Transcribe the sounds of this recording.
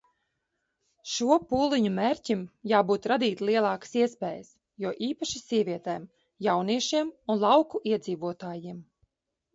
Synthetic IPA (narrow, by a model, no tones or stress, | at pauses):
ʃuɔpuːlˠiɲumeːɾʲcʲimjaːbuːt̪ɾad̪iːt̪ʲlˠiɛlˠɑːkḁsiɛspɛːjəs | juɔʔiːpaʃisiɛvʲiɛt̪ɛːm | jawniɛʃiɛmunlˠɑwkuʔiɛd̪ziːvuɔt̪aːjiɛm